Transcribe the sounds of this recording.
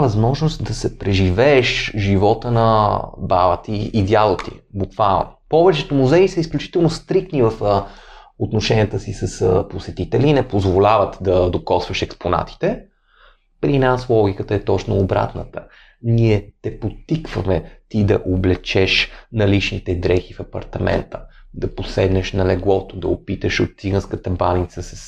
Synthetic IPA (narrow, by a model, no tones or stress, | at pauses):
vɐzmɔʒnost̪d̪ɐsɛpɾɛʒivɛːʃʒivɔt̪ənɐba̰vət̪iːd̪ʲjalˠot̪ḭbukvalˠnopɔvɛt͡ʃɛt̪omuzɛisəisklʲut͡ʃi̥t̪ɛlˠnost̪ɾik̚t̪nivəfə | ot̪noʃɛnʲiət̪əsisəsposɛt̪it̪ɛlinɛpozvolʲavət̪d̪ɐd̪okɔsvɐʃɛkspona̰t̪i̥t̪ɛ | pɾinaslˠɔɡ̟ʲikət̪əɛt̪ɔt͡ʃnoːbɾa̰t̪nət̪ə | niɛt̪ɛpot̪ːikvəmɛt̪id̪ɐʔoblɛt͡ʃɛʃnɐlit͡ʃnit̪ɛd̪ɾɛxifɐpɐ̰ɾt̪ɐmɛ̰nt̪əd̪ɐposɛd̪nɛʃnɐlɛɡlˠɔt̪od̪ɐ̰opit̪əʃot̪̚siɡənskət̪əbanit̪səsəs